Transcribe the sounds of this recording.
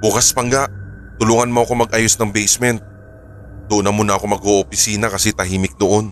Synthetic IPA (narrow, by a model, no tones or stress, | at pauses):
bʊkaspɐŋɡaʔ | t̪ʊluːŋɐnmoʔɐko̞mɐɡʔajosnɐŋbɛjsmɛnt̪̚ | d̪ʊʔonɐmʊnɐʔɐko̞mɐɡoʔopɪsiːnɐkɐsɛt̪ɐɦiːmɪk̚d̪oʔon